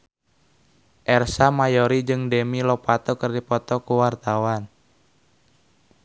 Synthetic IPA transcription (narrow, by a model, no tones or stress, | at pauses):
ʔɛrsamajɔɾid͡ʒɨŋdɛmilɔpat̪ɔkɨrdipɔt̪ɔkuwart̪awan